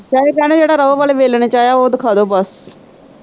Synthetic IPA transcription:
t͡ʃaːekɛːɽ̃eːd͡ʒeːɽaːɾəoːʋaːleːʋeːlɳeːt͡ʃaːjaːoːd̪ɪkʰaːd̪oːbəs

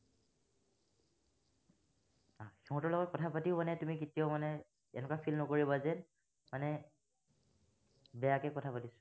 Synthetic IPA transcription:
axiɦɔ̃tɔlɔɡɔt̚kɔtʰapatiʊmanɛtumikitijomanɛ | ɛ̰nɛkapʰilnɔkoɹibazɛn | manɛ | bɛjakɛkɔtʰapatisɔ̥

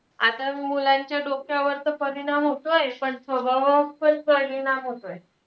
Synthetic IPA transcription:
at̪aimulãɲt͡ɕjaɖokʰjaʋəɾt̪əpəɾiɽamɦot̪ojepəɳsʋəbʱaʋəpəpəliɽamɦot̪oje

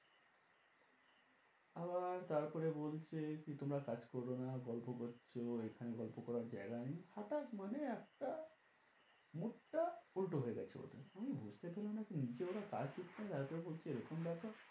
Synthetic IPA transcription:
abaɾt̪aɾpɔɾebolt͡ɕʰekit̪omɾakad͡ʑkɔɾonaɡɔlpokoɾt͡ʃʰoekʰaneɡɔlpokɔɾaɾd͡ʑa̰jɡanihaʈakmaneɛk̚ʈa | muʈːaulʈoɦoeɡɛt͡ɕʰo̰o̰d̪eamibʱud͡ʑt̪epelenakinid͡ʑeoɾaka̰d͡ʑd̪it̪ʰːat̪aɾpɔɾebolt͡ɕʰeeɾokʰombaka

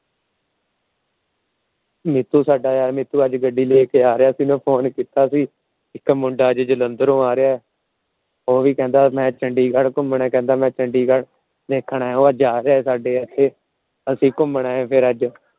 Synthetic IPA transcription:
mɪt̪ːuːsaːɖaːjaːɾmɪt̪ːuːəd͡ʒɡəɖːiːleːkeːaːɾeaːsiːnõːpʰoːnkiːt̪aːsĩː | ɪkmʊɳɖaːəd͡ʒd͡ʒələnd̪əɾõːaːɾɪjaːɛː | oːʋiːkɛ̃ːnd̪aːmɛ̃ːt͡ʃəɳɖiːɡəɭkʊmɳɛ̃ːkɛ̃ːnd̪aːmɛ̃ːt͡ʃəɳɖiːɡəɭ | d̪eːkʰːɳaːɦɛ̃ːoːad͡ʒaːɾeaːɛːsaːɖeːət̪ʰːeː | əsĩːkʊmɳaːɦɛ̃ːpʰɪɾəd͡ʒ

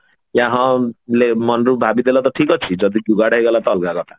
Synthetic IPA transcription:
ãɦɔ̃lemɔnɾubʱabid̪elat̪ɔʈʰikɔt͡ʃʰid͡ʒɔd̪ʱid͡ʒuɡaɽaɦiɡɔlat̪ɔːlkakɔt̪ʰḁ

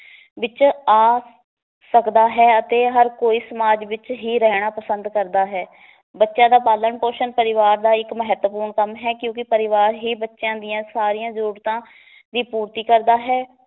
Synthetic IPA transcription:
ʋɪt͡ʃaː | səkd̪aːɦɛːət̪eːɦəɾkoːiːsəmaːd͡ʒʋɪt͡ʃɦiːɾɛːɽ̃aːpəsə̃nd̪kəɾd̪aːɦɛː | bətːʃãːd̪aːpaːləɳpoːʃənpəɾɪʋaːɾd̪aːɪkməɦɛt̪wəpuːɾɳkəmɦɛːkjõːkɪpəɾɪʋaːɾɦiːbətːʃjãːd̪ɪjãːsaːɾijãːzəɾuːɾt̪ãː | d̪iːpuːɾt̪iːkəɾd̪aːɦɛː

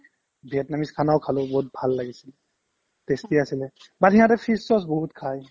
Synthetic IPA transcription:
bʱiɛtnamiskʰanawkʰalʊ̃bɔɦut̚bʱalːaɡisil | testiasilɛ | batɦiɦãtɛpʰisːɔs̬bɔɦutkʰaj

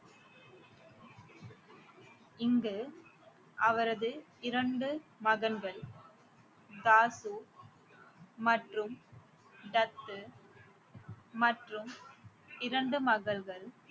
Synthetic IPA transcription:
ɪŋɡɯ | ʔɐʋɐɾɐðɯ | ɪɾɐɳɖɯmɐɣɐnɡɐɭ | d̪aːsu | mɐʈrɯm | ɖɐt̪ː | mɐʈrɯm | ɪɾɐɳɖɯmɐɣɐɭɣɐɭ

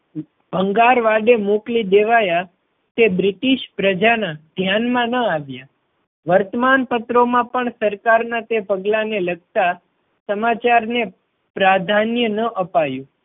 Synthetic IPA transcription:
b̥ʱəŋɡaɾʋaɖemuklid̪eʋaja | t̪ebɾɪʈiʃpɾəd͡ʒanad̪ʱjanmãnəaʋja | ʋəɾt̪əmanpət̪ɾomãpəɳsəɾkaɾnat̪epəɡlaneləɡ̚t̪a | səmat͡ʃaɾne | pɾad̪ʱanjənəʔəpajũ

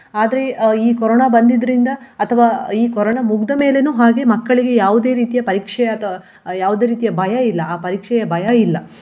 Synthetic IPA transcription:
aːd̪ɐɾe̞iːkɔɾɔɳabɐnd̪id̪ɐɾind̪ɐːt̪ʰɐʋaːiːkɔɾoɳamuɡd̪ɐme̞ːle̞nuːɦaːɡe̞mɐkːɐɭiɡejaːʋud̪e̞ːɾiːt̪ijɐpɐɾiːkʂɛjɐɐt̪ʰɐɐ | jaːʋud̪e̞ːɾiːt̪ijɐbʱɐjɐilːɐaːpɐɾiːkʂɛjɐbʱɐjɐilːɐ

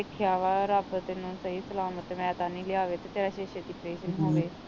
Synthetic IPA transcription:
ɪkʰjaːʋaːɾəbət̪enũːsəiːsəlaːmət̪ːmɛ̃ːt̪aːnĩːlɪaːʋeːt̪eːt̪eːɾaːʃeːʃed̪iːpɾeːʃənɦoːʋeː

